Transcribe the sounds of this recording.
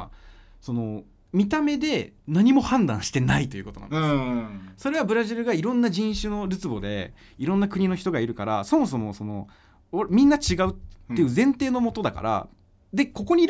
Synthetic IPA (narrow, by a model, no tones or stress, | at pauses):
so̞no̞ | mʲit̪ame̞d̪e̞naɲ̟imo̞hãnd̪ãɰ̃ɕi̥t̪e̞nait̪o̞jiɯ̟ko̞t̪o̞nã̰nde | so̞ɾe̞β̞abɯ̟ɾaʑiɾɯ̟ɡaiɾõ̞nːaʑĩɰ̃ɕɨno̞ɾɯt͡sɨbo̞d̪e̞̰ | iɾõ̞nːakɯ̟ɲ̟ino̞çi̥t̪o̞ɡaiɾɯ̟kaɾaso̞mo̞s̬o̞mo̞so̞no̞̰ | mʲĩnːat͡ɕiɡaɯ̟t̪ːe̞jiɯ̟zẽ̞nt̪e̞ːnomo̞t̪o̞d̪aka̰ɾʔa̰ | d̪e̞ko̞ko̞ɲ̟iɾ